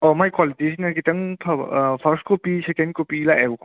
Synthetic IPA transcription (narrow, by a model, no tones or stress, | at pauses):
ɔmajkwalitisinɐɾɡitɐŋpʰɐpʰɐɾstkopisekend̚kopiːlaʔaɡu